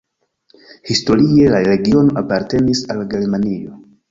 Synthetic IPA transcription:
histo̞ɾie̞laɾe̞ɡio̞noʔapaɾte̞nisalɡe̞ɾmanio̞

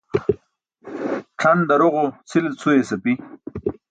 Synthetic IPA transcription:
ʈ͡ʂʰand̪ɐɾoʁot͡sʰilet͡sʰuesɐpi

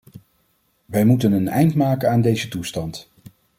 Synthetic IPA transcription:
ʋɛjmutənənɛ̰jntmaːkənaːndejzətustɑnt

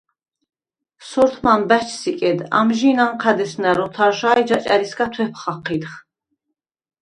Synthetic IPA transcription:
sɔɾt̪ʰmanbæt͡ʃʰsikʼɛd̪a̰mʒinamqʰæd̪ɛsnæɾɔt̪ʰaɾʃaːjd͡ʒat͡ʃʼaɾiskat̪ʰwɛpʰχaqʰːit̪χ

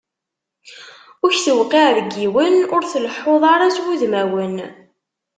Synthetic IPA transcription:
ʊçθəwqːiʕðəɡːiwənʊɾθələħːoðˤɑɾˤaswuðmæwən

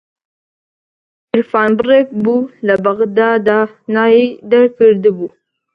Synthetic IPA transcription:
ɪɾfɑːnbəɾekbulabaɣd̪ɑd̪a | nɑjid̪aɾkəɾd̪əbu

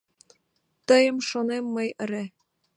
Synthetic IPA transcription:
t̪əjə̆mʃonemːəjə̆ɾe

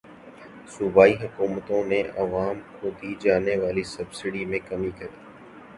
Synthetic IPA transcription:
sʊbaːiɦʊkuːmət̪õneʔɐʋaːmkʰoːd̪iːd͡ʒaːneʋaːlisɐbsɪɽiːmẽkɐmikəɾiː

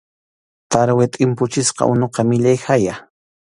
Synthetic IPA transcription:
t̪aɾwet̪ʼɪmpʊt͡ʃɪsqɑ̰ʔʊnoqɑmɪʎajxaja

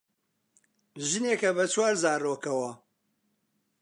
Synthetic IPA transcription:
ʒɨneːkɐbɐt͡ʃʰwaːɾzaːroːkɐwɐ

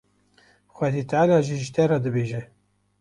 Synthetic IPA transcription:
xʷɛd̪it̪ʕlɑːʒiʒɨt̪ɛrɑd̪ɨbeːʒɛ

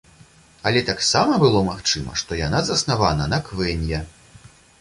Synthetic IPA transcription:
ɐlʲɛt̪aksamɐbɨlˠɔmaxt͡ʂɨmɐ̰ʂt̪ɔjanazɐsnavanɐnɐkvɛnʲjɛ

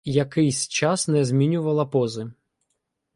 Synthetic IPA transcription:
jɐkɪjsʲt͡ʃɑsnɛzmʲinʲʊʋɐlˠɐpɔzɨ

